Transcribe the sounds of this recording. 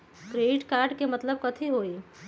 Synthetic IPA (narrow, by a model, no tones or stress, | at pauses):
kɾeːɖɪʈkaːɾɖkemɐt̪ləbkɐt̪ʰiɦoːi